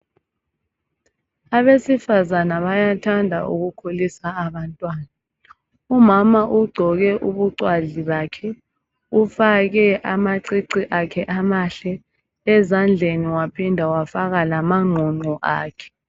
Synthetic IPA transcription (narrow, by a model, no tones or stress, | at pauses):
aβesifazanaβajatʰandʱaʔṵɣukʰolisaːβantʼwaːna | umamaʔuɡ͡ǀʱɔɣɛʔuβuǀwaɮiβaːkʰɛ | ufaɣɛʔamaǀiǀiʔakʰɛʔamaɬɛ | ɛzand͡ɮʱeniwapʰindʱawafaɣalamaŋ͡ǃʱɔŋ͡ǃʱɔʔa̰ːkʰɛ̥